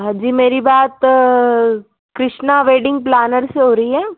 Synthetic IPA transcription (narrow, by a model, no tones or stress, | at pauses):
ɦɐ̃d͡ʒiːmeːɾibaːt̪ | kɾɪʃnaʋeːɖɪ̃ŋɡ̚plɛːnəɾseɦoːɾɐiɦɛː